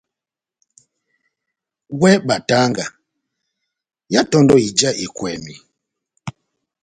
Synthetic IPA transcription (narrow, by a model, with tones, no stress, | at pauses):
wɛ˦ɓa˨ta˦ŋɡa˨ | ja˦tɔ˦ndɔ˦i˨d͡ʒa˦ʔi˨kwɛ˨mi˨